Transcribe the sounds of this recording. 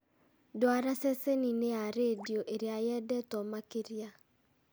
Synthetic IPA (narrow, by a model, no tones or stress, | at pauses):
doaɾasɛsenineaɾedioʔeɾeajɛdɛtɔmakeɾja